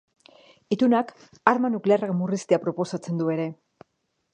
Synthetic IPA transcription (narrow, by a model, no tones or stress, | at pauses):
it̪unak | aɾmanuklearakmurist̪eapɾo̞po̞sat͡se̞nd̪ue̞ɾe̞